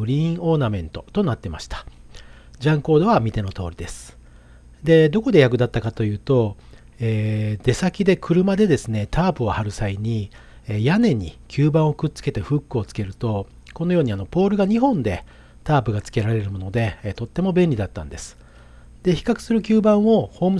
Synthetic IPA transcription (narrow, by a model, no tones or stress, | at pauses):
ɯ̟ɾʲĩo̞ːnamẽ̞nt̪o̞t̪o̞nat̪ːe̞maɕi̥t̪ḁ | d͡ʑãŋko̞ːd̪o̞βamʲit̪e̞no̞t̪o̞̰ːɾʲid̪e̞sɨ̥ | d̪e̞d̪o̞ko̞d̪e̞jak̬ɯ̟d̪at̪ːakat̪o̞jɯ̟ːt̪o̞ | eːd̪e̞sakʲid̪e̞kʰɯ̟ɾɯ̟mad̪e̞d̪e̞sɨne̞t̪ʰaːpɯ̟ohaɾɯ̟saiɲ̟i | ejane̞ɲ̟ḭkʲɨːbãɰ̃o̞kɯ̟tt͡sɨ̥ke̞t̪e̞ɸɯ̟kːɯo̞t͡sɨ̥ke̞ɾɯ̟t̪o̞ | ko̞nojoːɲ̟iano̞po̞ːɾɯ̟ɡaɲ̟iɦõ̞nd̪e̞ | t̪aːpɯ̟ɡat͡sɨ̥ke̞ɾaɾe̞ɾɯmo̞no̞d̪e̞t̪o̞t̪ːe̞mo̞bẽ̞nʲid̪at̪ːã̰nd̪e̞sɨ̥ | d̪e̞çi̥kakɯ̟̥sɨɾɯ̟kʲɨːbãɰ̃o̞ho̞ːmɯ